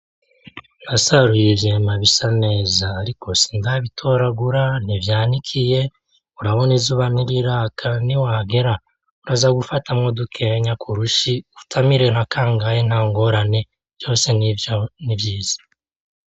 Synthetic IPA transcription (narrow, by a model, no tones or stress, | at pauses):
n̥asaɾujevjeːmaβisane̞ːzaːɾiko̞si̥ndaβitʰo̞ɾaɡuɾan̥ivjaːnikʰije̞ | uɾaβo̞nizuːβan̥iɾiɾakʰaniwaːɡe̞ɾa | uɾazaɡufatʰamŋo̞dukʰe̞ɲakʰuɾuʃiutʰamiɾe̞nakaːŋɡajen̥haːŋɡo̞ɾane̞ | vjo̞ːse̞nnivjiːz̥ḁ